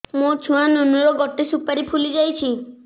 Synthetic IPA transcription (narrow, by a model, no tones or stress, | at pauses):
mot͡ʃʰuanonuɾɔɡɔʈesupaɾipʰulid͡ʒajt͡ʃʰi